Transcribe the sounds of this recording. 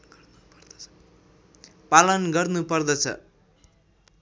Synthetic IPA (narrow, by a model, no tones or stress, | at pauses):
palʌnɡʌrnupʌrd̪ʌt͡sʰʌ̰